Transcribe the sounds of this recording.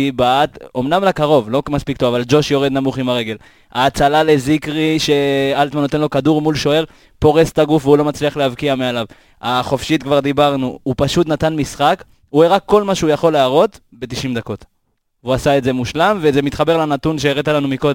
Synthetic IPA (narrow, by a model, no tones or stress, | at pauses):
ibaat̪o̞mnamlakaʁo̞vlo̞kmaspikt̪ovavald͡ʒo̞ʃjo̞ʁed̪namuχimaʁe̞ɡe̞l | aːt͡salale̞zikʁiʃe̞alt̪manːot̪enlo̞kaduʁmulʃo̞e̞ʁ | po̞ʁest̪aɡufveulo̞mat͡sliaχlehavkiamealav | aχo̞fʃit̪kvaʁd̪ibaʁnuupaʃut̪nat̪anmisχak | ueʁakːo̞lmaʃeujaχo̞leaʁo̞t̪ | be̞t̪iʃimd̪ako̞t̪ | uasaetze̞muʃlamvezemit̪χabe̞ʁlanat̪unʃeeʁet̪alanumiko̞d̪e